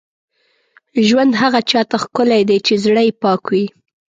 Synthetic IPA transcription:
ʒwand̪ɦaɣat͡ʃɑt̪axkʊlajd̪ajt͡ʃezɽəjpɑkwi

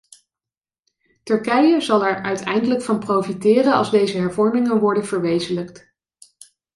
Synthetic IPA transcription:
tɵɹkɛjəzɑlˠɛɹœɥtɛ̰jndələkfɑnprowfitɪːrənɑ̰lˠzdejzəɦɛɹvɔɹmɪŋənʋɔɹdənvəɹʋejzələkt

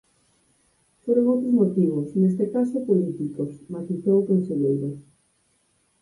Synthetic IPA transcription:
poɾoɣowt̪ɾozmot̪iβʊsnest̪ekasopolit̪ikosmat̪iθowokonseʎejɾo

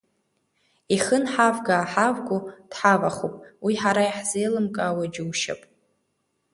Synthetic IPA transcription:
iχənħavɡaːħavɡʊd̥ħavaχo̰pʼwiħaɾaiħzejlɨmkʼaːwad͡ʒɪwʃa̰pʼ

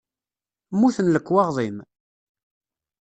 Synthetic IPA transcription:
mːuθənləkːwɑʁðˤim

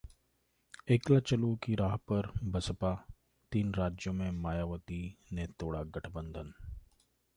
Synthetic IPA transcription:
eːklat͡ʃɐluːkiɾaːɦpɐɾbɐsəpa | t̪iːnɾaːd͡ʒjõmẽmaːjaːʋət̪inet̪oːɽaɡɐʈʰbə̃nd̪ʱən

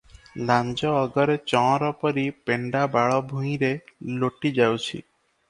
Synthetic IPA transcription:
land͡ʒɔːɡɔɾet͡ʃɔɔ̃ɾɔpɔɾipeɳɖabaɭɔbʱũj̃ɾeloʈid͡ʒawt͡ʃʰḭ

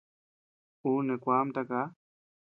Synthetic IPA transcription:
unekʷamt̪aka

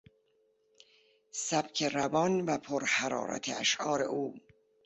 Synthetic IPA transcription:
sæb̥kʰeɾæbɒnvæpʰoɾhæɾɑ̰ːɾæ̰t̪ʰeæʃʔɒːɾḛʔuː

